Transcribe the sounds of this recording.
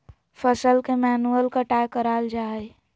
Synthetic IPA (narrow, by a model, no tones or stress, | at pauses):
pʰəsəlkemɛːnuəlkaʈajkəɾaːld͡ʒaːe